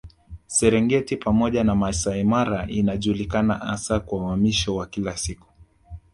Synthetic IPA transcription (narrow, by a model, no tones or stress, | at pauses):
sɛɾɛŋɡɛtipamɔʄanamaisaimaɾaʔinaʄuːlikana̰ʔasakwawamiʃɔwakilasiku̥